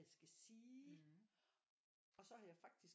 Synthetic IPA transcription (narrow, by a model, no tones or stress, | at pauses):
æsɡ̥æsiː | ɒ̽sɒ̽hɑjɑ̈fɑ̈ɡ̥̚d̥is